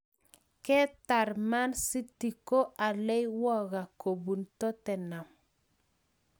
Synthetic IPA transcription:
kɛ˦ta˨ɾma˦nsi˦ti˨ko˦ʔa˨lɛ˦jwɔ˦ɣa˨ko˨bu˨ntɔ˦tɛ˨na˨m

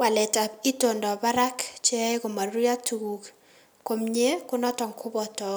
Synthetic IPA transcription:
wa˨lɛ˨ta˨i˦to˨ndɔ˨ba˦ɾa˦kt͡ʃe˦ko˨ma˨ri˦a˦tʰu˨ɡu˨k | ko˨mɲe˦kʊ˦nɔ˦tɔ˨ŋkʰʊ˦bɔ˨tɔ˨

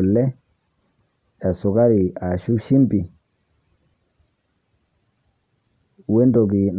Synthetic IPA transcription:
lːɛ˦ | a˨su˨ka˦ɾi˨a˨ʃu˦ʃi˦mbi˨ | we˦ndo˨ɡi˨n

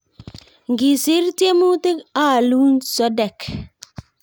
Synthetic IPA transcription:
ŋɡi˨sɪ˨˦ɾte˦mu˦te˦ka˦˨lu˦nsɔ˦dɛ˨k

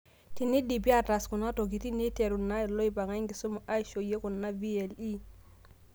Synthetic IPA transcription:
ti˨ni˦di˨bi˦a˦ta˨sku˨na˦to˨ɡ̬i˨ti˦ni˦te˨ɾu˨nːa˦˨lo˦i˦ba˨ŋa˦i˦ŋɡi˨so˦mu˨ʔa˦jʃo˨je˦ku˨nːa˦vi˦e˨li˦

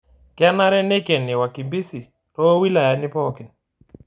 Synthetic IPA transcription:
kja˦na˦ɾɛ˦ne˦kɛ˨nːɪ˨wa˨ki˨mbi˦si˨ | tɔ˦wi˦la˨ja˨nɪ˦pɔ˦kɪ˨n

